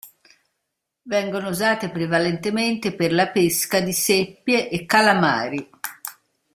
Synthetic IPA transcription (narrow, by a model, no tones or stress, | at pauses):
vɛŋɡonouzaːt̪epɾevalɛnt̪ement̪eperlapeskad̪isepːjeʔekːalama̰ːɾi